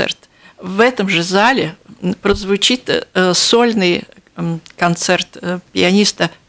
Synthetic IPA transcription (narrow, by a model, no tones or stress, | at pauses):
ɛ̰rt̪ | vɛt̪əmʐɨzalʲɪpɾəzvʊt͡ɕit̪solʲnɨj | kɐnt̪sɛrt̪pʲɪɐnʲist̪ə